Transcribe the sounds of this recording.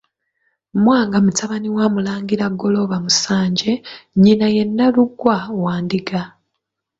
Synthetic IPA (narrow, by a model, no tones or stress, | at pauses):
mwaːŋɡamutʰaβaniwaːmulaːŋɡiɾaɡo̞lo̞βamusaːɲɟe̞ɲinaje̞nːaluɡwawaːndiɡa